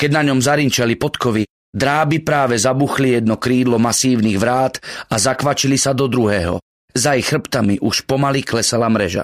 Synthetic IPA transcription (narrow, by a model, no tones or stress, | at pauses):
kɛɟnaɲɔmzaɾiɲt͡ʃalipɔt̪kɔʋi | d̪ɾaːbipɾaːʋɛzabuxlijɛd̪nɔkɾiːd̪lɔmasiːʊniːɣʋɾaːt̪azakʋat͡ʃilisad̪ɔd̪ɾuɦɛːɦɔ̰ | zaixr̩pt̪amiʔuʃpɔmaliklɛsalamɾɛʒa̰